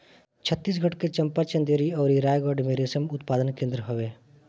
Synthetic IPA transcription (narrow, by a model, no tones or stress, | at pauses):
t͡ʃʰət̪ːiːs̬ɡʱəʈket͡ʃɐ̃mpat͡ʃə̃nd̪eɾiɔːɾiɾaːjɡɔːɖmeːɾesəmʊt̪paːd̪ənkẽːnd̪ɾəɦoʋeː